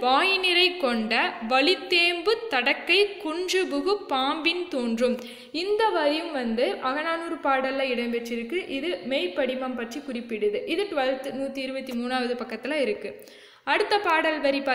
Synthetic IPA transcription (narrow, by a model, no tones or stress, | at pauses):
ʋaːjɪnɪɾɐɪkːɔɳɖɐʋɐɭɪt̪ːeːmbɯt̪ːɐɽɐkːɐɪkʊɳd͡ʒɯbɯɣɯpːaːmbɪnt̪oːndrɯm | ɪnd̪ɐʋɐɾɪjɯmʋɐnd̪ɯʔɐɣɐnaːnuːɾɯpaːɽɐlːɐɪɽɐmpɛʈrːɪɾɯkːɯʔɪðɯmeːɪpːɐɽɪmɐmpɐʈrikʊrɪpːɪɽɯðɯʔɪðɯʈːɯʋɐɻɯt̪ːɯnuːt̪ːiɪɾɯbɐt̪ːimuːnaːʋɐðɯpɐkːɐt̪ːɪlaɪɾɯkːɯ | ɐɽɯt̪ːɐpaːɽɐlʋɐɾipɐ